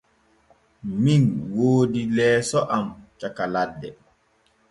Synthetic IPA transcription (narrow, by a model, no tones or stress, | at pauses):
minwoːdilɛːsɔʔamt͡ʃakaladːɛ